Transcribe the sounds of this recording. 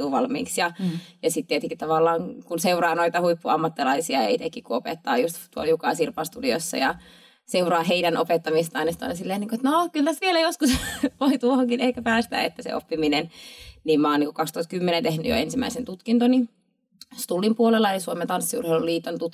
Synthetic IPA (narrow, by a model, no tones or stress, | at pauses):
uːʋɑ̰lmḭːksjɑjɑsit̪t̪ːiet̪eŋkitt̪ɑʋɑlːɑːŋkunseurɑːnoit̪ɑhuipːuɑmːɑt̪ːilɑisiɑjɑ̰it̪ekːikkuopḛt̪ːɑ̰ːjust̪t̪uoljukɑ̰sirpɑst̪udio̰sːɑ̰jɑ | seurɑːɦeidænʔo̰pet̪ːɑmist̪ɑinɑst̪ɑ̰inɑsilːeːniːŋkoet̪nokylt̪æst̪ʋielæjoskusʋoit̪uohoŋkinehkæpæːst̪æ̰ːḛt̪ːæsḛʔo̰pːiminenniːmmɑːniːŋkukɑkst̪uhɑt̪̚kymːenent̪ehnyjo̰ensimæ̰isent̪ut̪kint̪oni | st̪ulːimpuolelːɑlisuoment̪ɑnsːiṵrheiluliːt̪ːont̪ut̪